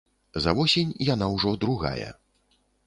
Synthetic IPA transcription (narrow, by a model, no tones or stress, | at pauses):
zɐvɔsʲenʲjan̪awʐɔd̪ɾuɣa̰jɐ̰